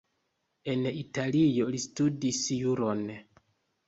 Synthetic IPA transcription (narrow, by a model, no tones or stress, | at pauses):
e̞nitalijo̞listudisjuɾo̞n